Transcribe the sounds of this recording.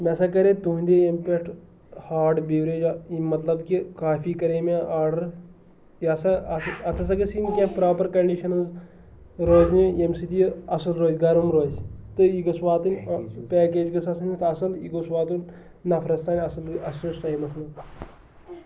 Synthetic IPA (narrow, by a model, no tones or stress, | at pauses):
mɛsɐkɐɾet̪uɦnd̪eempeʈʰ | haːɾɖbiːʋɾeːd͡ʒaimɐt̪lɐbkikaːfiːkɐɾeːmẽʔaːɾɖɐɾ | ɐsɐɐɐt̪ʰɐs̬ɐkɐsinkʲepɾaːpɐɾkɐɳɖiːʃɐnɐz | ɾoːzneemsit̪ijɐsɐlɾoːzɡaɾumɾoːzt̪ɨiɡɐsʋaːt̪ɨnʲpɛːkeːd͡ʒɡɐsasʰunit̪ɐsɐliɡosʋaːt̪un | nɐfʰɾɐst̪aːnʲɐslɐslɐsʈɐːimɐt̪ʰnɐ